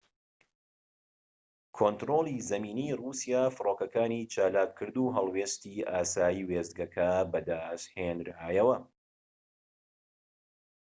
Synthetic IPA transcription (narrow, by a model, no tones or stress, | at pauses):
kʰoːnt̪ɾoːlˠizɐmiːniːrusijaːfɨroːkɐkaːniːt͡ʃaːlaːkʰːɨɾd̪uːɦɐlˠweːst̪iːaːsaːjiːweːzd̪̚ɡɐkʰɐbɐd̪aːshenɾhaːjɐwɐ